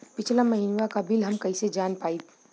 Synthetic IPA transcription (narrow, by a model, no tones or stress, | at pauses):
pɪt͡ʃʰlamɐɦinʋakabʱɪlɦɐmkɐised͡ʒaːnpaːi